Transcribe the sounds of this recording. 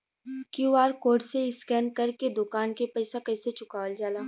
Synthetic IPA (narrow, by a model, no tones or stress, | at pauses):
kjuaːɾkoːɾɖseɪskɛːnkɐɾked̪ʊkaːnkepɛɪsakɐɪset͡ʃʊkaːʋəld͡ʒaːlaː